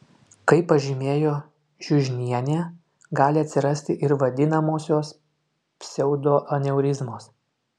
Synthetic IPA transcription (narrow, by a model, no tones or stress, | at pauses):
kɐɪpːɐʒʲɪmʲeːjoː | ʒʲʊʒʲnʲiɛnʲeː | ɡɑːlʲɪɐt̪ʲsʲɪɾɐsʲt̪ʲɪʔɪɾʋɐd̪ʲɪnɐmoːsʲoːs | pʲsʲɛʊd̪oːʔɐnʲɛʊɾʲɪzmoːs